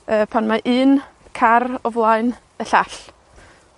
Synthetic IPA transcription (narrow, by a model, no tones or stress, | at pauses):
əːpʰanmaʔɨːn | kʰarɔvlˠaɨn | əɬaɬ